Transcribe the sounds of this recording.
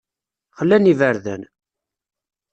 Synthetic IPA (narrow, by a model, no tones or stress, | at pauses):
χəlːænivəɾðæ̰n